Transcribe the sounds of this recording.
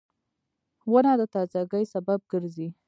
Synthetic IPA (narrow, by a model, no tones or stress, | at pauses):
wənɑd̪ət̪ɑzaɡəjsabab̚ɡəɾzi